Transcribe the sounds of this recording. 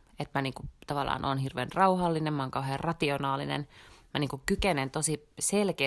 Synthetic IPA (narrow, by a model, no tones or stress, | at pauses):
et̪mæniːŋkut̪ɑʋɑlːˑɑ̰ːnʔoːnhirʋḛːnrɑuhɑlːinemmɑoːŋkɑuɦeːrrɑt̪ionɑːlḭnḛnmæniːŋkukkykenent̪osiselkeː